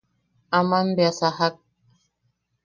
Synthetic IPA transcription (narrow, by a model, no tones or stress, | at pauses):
amam̩bjasahak̚